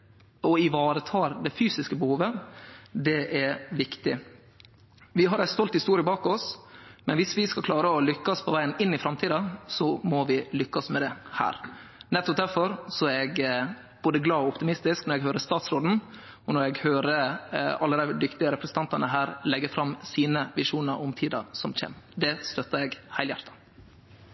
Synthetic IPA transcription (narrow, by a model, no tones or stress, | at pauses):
ɔɪʋɑːɾət̪ʰɑːɾd̪ɛfyːsɪskəbəhuːʋəd̪ɛʔɛɾʋɪkt̪ɪ | ʋɪɦɑɾæɪst̪ɔlt̪hɪst̪uːɾɪəbɑːkɔsmɛ̰nʋɪsʋɪskɑlkʰlɑːɾəɔlʏkːɑspʰɔʋæɪənɪnːɪfɾɑmt̪ʰiːd̪ɑsɔmɔʋɪlʏkːɑsmɛd̪ɛhæ̰ːɾnɛt̪ːɔp̚d̪æɾfɔɾsɔæɾɛɡ | b̥oːd̪əɡlɑːɔʊpt̪ɪmɪst̪ɪsknɔɾɛɡɦøːɾəst̪ɑːt̪sɾoːd̪n̩ | ɔnɔɾɛɡhøːɾəɑlːəd̪æɪd̪ʏkt̪ɪəɾɛpɾɛsən̩t̪ɑnt̪ɑnəɦæːɾlɛɡːəfɾɑmsiːnəʋɪʂuːnəɾʔɔmt̪ʰiːd̪ɑ̰ɾsɔmc͡çɛ̰ːmd̪ɛst̪œt̪ːəɛɡhæɪljæ̰ɾt̪ʰɑ̥